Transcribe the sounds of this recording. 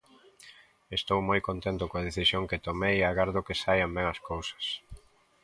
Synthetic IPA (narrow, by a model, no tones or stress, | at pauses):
est̪owmojkont̪ent̪ʊkõɐð̞eθisjoŋkɪt̪omejaɣaɾðokɪsajambɛŋɐskowsɐ̥s